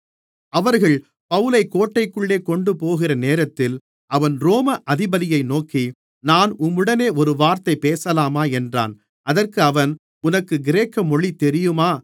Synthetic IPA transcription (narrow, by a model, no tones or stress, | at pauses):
ɐʋɐɾɣɐɭ | pɐʋɯlɐɪkːoːʈːɐɪkːɯɭːeːkɔɳɖɯpoːɣɪrɐneːɾɐt̪ːɪl | ʔɐʋɐnɾoːmɐʔɐðɪbɐðɪjɐɪnoːki | naːnʊmːɯɽɐneːʔɔɾɯʋaːɾt̪ɐɪpːeːsɐlaːmaːɛndra̰ːn | ʔɐðɐrkɯɐʋɐn | ʊnɐkːɯɡɪɾeːkːɐmɔɭit̪ːɛɾɪjɯmaː